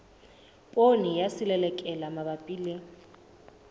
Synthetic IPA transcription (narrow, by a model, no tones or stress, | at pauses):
pʼonijasɪlɛlɛkʼɛlamabapʼiːlɪ